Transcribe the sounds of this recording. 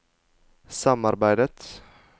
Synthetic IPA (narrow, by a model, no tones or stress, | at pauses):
sɑmɑɾbæɪd̪ət̪